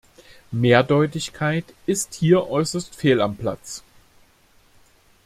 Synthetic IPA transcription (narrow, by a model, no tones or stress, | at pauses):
meːɐdɔʏtɪçkʰaɪtʔɪsthiːɐʔɔʏsɐstfeːlampl̥a̰t͡s